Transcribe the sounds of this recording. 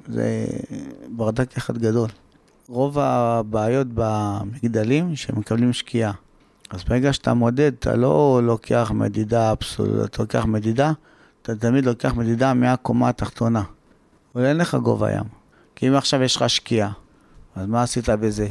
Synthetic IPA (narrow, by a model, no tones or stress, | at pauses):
zḛ | baʁd̪akeχad̪ɡad̪o̞l | ʁo̞vabaːjo̞t̪bamiɡd̪alimʃemekablimʃkʰia | azbeeɡaʃet̪a̰mod̪e̞d̪t̪ʰa̰lo̞lo̞kʰeaχmḛd̪idaːbso̰lṵa̰t̪alokeaχme̞dida | t̪at̪amid̪lo̞keaχme̞d̪id̪ameakomaːt̪aχt̪o̞na | volenleχaɡo̞̰va̰ja̰m | kiimaχʃavjeʃχaʃkia | azmaːsit̪abeze